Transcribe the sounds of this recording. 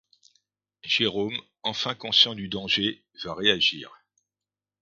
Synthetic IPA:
ʒ̥eʁom | ɑ̃fɛ̃kɔ̃sjɑ̃d̪yd̪ɑ̃ʒe | vaʁeaʒḭːʁ

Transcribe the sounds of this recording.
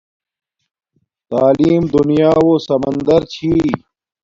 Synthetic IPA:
t̪aːliːmd̪unjaːwosɐmɐnd̪ɐɾt͡ɕʰi

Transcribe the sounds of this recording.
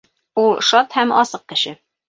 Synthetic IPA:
ulˠʃɑt̪hæmɒsɤq̚kɘ̆ɕɘ

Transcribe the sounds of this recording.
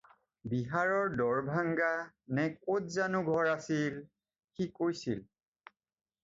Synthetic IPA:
biɦaɹɔɹdɔɹbʱaŋɡanɛkotzanuɡʱɔɹasil | xikojsḭl

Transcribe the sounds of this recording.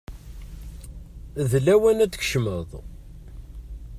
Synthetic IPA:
ðlæwænæt͡sːç̥ʃməðˤ

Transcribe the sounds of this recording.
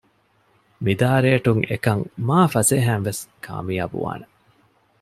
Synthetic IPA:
mid̪aːɾeːʈuŋḛkɐŋmaːfɐseːɦæːnʋeskʰa̰ːmija̰ːbṵʋa̰ːne

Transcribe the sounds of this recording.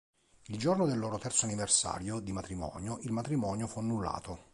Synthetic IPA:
ild͡ʒornod̪elːɔːɾot̪ɛrt̪soaniversa̰ːɾjod̪imat̪ɾimɔ̰ːnjoʔilmat̪ɾimɔːnjofuanːulːa̰ːt̪o

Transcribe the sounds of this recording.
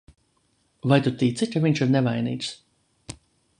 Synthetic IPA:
vajt̪ut̪iːt̪sit̪ʲavʲiɲʲt͡ʃiɾnɛvajnḭːt̪s

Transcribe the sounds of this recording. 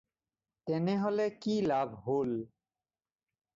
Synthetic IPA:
t̪ɛneɦolekilabʱɦol

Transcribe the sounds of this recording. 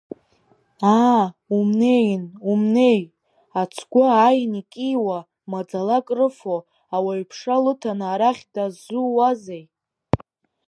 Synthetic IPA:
aumne̞jnumne̞j | at͡sʰɡʷaːjnikʼijwa | mad͡zalakʼrɨfo | awaɥpʰʂalɨtʰanaaːɾaχʲdazuwazej

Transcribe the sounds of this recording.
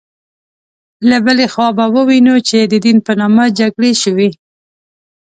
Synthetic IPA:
labəlexwɑbawəwinut͡ʃed̪əd̪inpənɑmad͡ʒaɡɽeʃəwi

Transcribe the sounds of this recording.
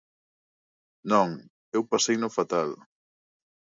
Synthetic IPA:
nɔ̃ŋ | ewpasejnʊfat̪al

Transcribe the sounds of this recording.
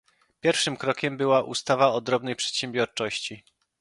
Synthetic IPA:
pʲjɛɾfʂɘmkɾɔkʲɛmbɘwaʔṵst̪avaɔd̪ɾɔbnɛjpʂɛ̥t̪ɕɛmbʲjɔɾt͡ʂɔɕt͡ɕi

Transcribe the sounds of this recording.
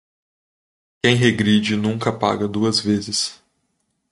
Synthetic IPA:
kẽj̃ɦeɡɾid͡ʒɪnũŋkɐpa̰ɡɐd̪uɐzvezɪs

